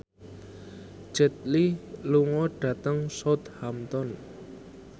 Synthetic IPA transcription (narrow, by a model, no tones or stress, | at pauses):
ʒ̥ə̤t̪̚liluŋɔɖ̥ä̤t̪əŋsɔt̪hamt̪ɔn